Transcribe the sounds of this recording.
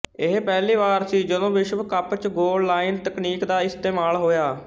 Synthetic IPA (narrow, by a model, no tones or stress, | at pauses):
ɪɦpɛːliːʋaːɾsiːd͡ʒəd̪õːʋɪʃbkəpt͡ʃɡoːɖlaːɪnt̪əkniːkd̪aːɪst̪eːmaːlɦoːjaː